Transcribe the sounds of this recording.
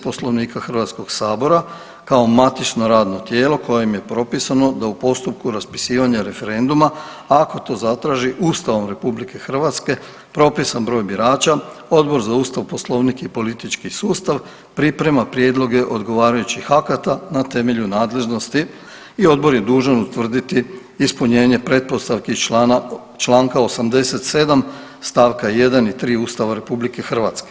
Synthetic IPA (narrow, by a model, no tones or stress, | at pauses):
po̞slˠo̞ʋniːkaxr̩ʋat̪sko̞ɡsaːbo̞ɾa | kao̞mat̪it͡ʃno̞ɾaːd̪no̞t̪je̞ːlˠo̞ko̞jjemje̞pɾo̞pisano̞d̪aupo̞st̪up̚kuɾaspi̥siːʋaɲaɾe̞fe̞ɾe̞nd̪uma | ako̞t̪o̞ːzat̪ɾaːʒiʔuːst̪aʋo̞mɾe̞publike̞xr̩ʋat̪ske̞ | pɾo̞pisanbɾo̞ːjbiɾaːt͡ʃao̞d̪bo̞ɾzauːst̪aʋpo̞slˠo̞ʋnikipo̞lit̪it͡ʃkisuːst̪aʋ | pɾipɾe̞mapɾjed̪lˠo̞ɡe̞ʔo̞d̪ɡo̞ʋaːɾajut͡ɕixakat̪anat̪e̞me̞ʎunaːd̪le̞ʒno̞st̪i | io̞d̪bo̞ɾje̞d̪uːʒanut̪ʋr̩d̪it̪iː | spuɲe̞ːɲe̞pɾe̞t̪̚po̞st̪aʋki | t͡ʃlˠaːŋkao̞samd̪e̞se̞t̪se̞d̪am | st̪aːʋkaje̞d̪anit̪ɾiːuːst̪aʋaɾe̞publike̞xr̩ʋat̪ske